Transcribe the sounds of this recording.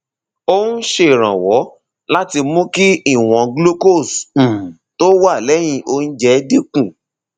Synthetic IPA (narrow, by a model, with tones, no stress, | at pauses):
o˦nũ˦ʃe˧˨ɾ̃ã˨wɔ˨˦ | la˦ti˧mũ˦ki˦i˦˨w̃ɔ̃˨ɡlo˦ko˦˨s̩˨ | to˦wa˦˨lɛ˨˦j̃ĩ˧ʔo˧ñ̩˦d͡ʒɛ˨˦di˦kũ˦˨